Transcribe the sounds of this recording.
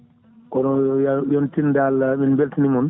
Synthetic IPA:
kɔnɔjajɔntindalaminbeltinimɔn

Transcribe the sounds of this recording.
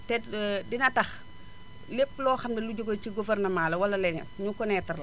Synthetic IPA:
tɛdinɐtɐx | lepːlɔːxɐmdɛluɟoɡociɡufɛrnɐmaːlɐwɐlɐlɛnɛ̰nɲukɔnɛtɐrlɐ

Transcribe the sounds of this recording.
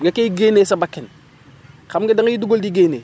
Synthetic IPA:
ŋɡekejiɡenesabakːɪn | kamɡedaŋɡjiduɡoldiɡene

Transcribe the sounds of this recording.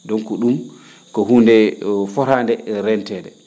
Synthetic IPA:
dɔŋkɔɗum | kɔɦundɛfɔɾandɛɾɛntɛːdɛ

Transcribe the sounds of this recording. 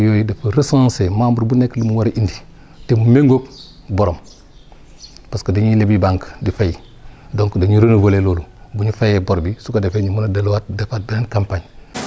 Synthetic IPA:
jojidafuɾesãnsemambuɾbuneklimuwaɾʔindi | temumeŋɡok̚ | boɾom | paskadiɲilebibaŋkdifaji | doŋkdaɲiɾonuvolelolubuɲufajeboɾbisukadefeɲimunadalwat̚dafat̚binankampaɲ

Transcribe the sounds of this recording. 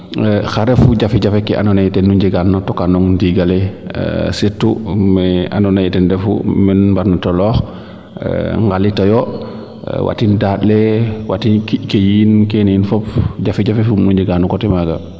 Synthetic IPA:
xaɾɛfuɟafiɟafɛkɛʔa̰nɔnajitɛnːuɲɟiɡanːatɔkanɔŋndiɡalḛ | setːumɛa̰nɔnajitɛndɛfṵminbaɾnatɔlɔːx | ŋɡalitɔjɔ | wʔa̰tindaːtlewa̰tinkkejinkeninfɔp̚ɟafiɟafefumnuɲɟiɡanːukɔtɛmaɡa

